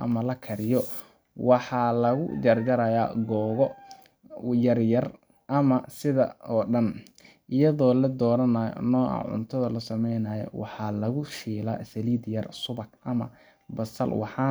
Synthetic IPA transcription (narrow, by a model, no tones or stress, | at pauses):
ʔɐ̰mɐlɐkʰɐɾɪjɔ | wɑħɑːlɐɣʊ̰jɐrd͡ʒɐɾɐjaːɡɔːɣɔ | jɐrjɐr | ʔɐmɐsɪðɐ̰ɔːɖɐn | ʔɪjɐðɔːlɐd̪ɔːɾɐnɐjɔ̰nɔːʔɑ̰ʕʊ̰nt̪ʰɐðɐlɐsɐmɛjnɐjɔ̰wɑ̰ħɑːlɐɣʊʃiːla̰ːsɐliːd̪jɐrsʊbɐkʔɐmɐ̰ | bɐsɐ̰lwɑħɑː